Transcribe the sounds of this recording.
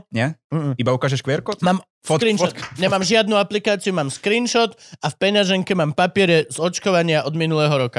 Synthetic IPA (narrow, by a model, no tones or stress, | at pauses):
ɲɛɦ̩ibaukaːʒɛʃkʋjɛɾkɔt̪maːm | kɾiːnɔtɲɛmaːmʒɪad̪nuaplikaːt͡siumaːmskɾiːnʃɔt̪afpɛɲaʒɛŋkɛmaːmpapɪɛɾɛzɔt͡ʃkɔʋaɲɪaʔɔd̪minulɛːɦɔɾɔka